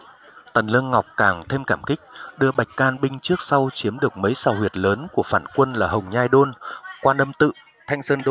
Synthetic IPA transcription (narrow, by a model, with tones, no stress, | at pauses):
t̪ə˨˩nlɨ˧ənŋa˨˩wk͡p̚kaː˧˩ŋt̪ʰe˧mkaː˧˩mkï˦˥k̟̚ɗɨ˧əɓa˨˩jk̟̚kaː˧˩nɓï˧ŋ̟t͡ɕɨ˦˥ək̚sa˧wt͡ɕi˨˦əmɗɨ˨˩ək̚mə˨˦jsaː˨˩whwi˨˩ət̚ləː˨˦nku˧˩əfaː˧˩nkwə˧nlaː˨˩ɦə˨˩wŋ͡mɲaː˧jɗo˧nkwaː˧nʔə˧mt̪ɨ̰˧˨ | t̪ʰa˧jŋ̟səː˧nɗo˧